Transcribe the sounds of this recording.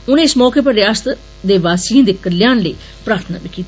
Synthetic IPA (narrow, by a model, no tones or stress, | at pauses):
ʊnẽːɪsmɔːkeːpəɾɪjaːst̪ | d̪eːʋaːsĩːnd̪ɪkːəɾljãːnləiː | pɾaːɾt̪ʰna̰ːbikːiːt̪ː